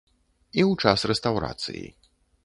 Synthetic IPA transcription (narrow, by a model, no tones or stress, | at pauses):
iwt͡ʂasrɛst̪awɾa̰t̪sɨ̰jḭ